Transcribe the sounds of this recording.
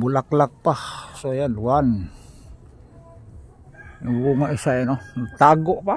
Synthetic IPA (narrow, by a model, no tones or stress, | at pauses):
bulaklak̚pahsojanluan | iwuŋaʔisajnont̪aɡoʔpa